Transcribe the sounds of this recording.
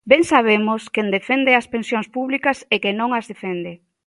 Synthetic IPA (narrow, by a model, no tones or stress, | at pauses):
bɛŋsaβemoskend̪efend̪easpensjoŋspuβlikɐsekenõŋazðefend̪e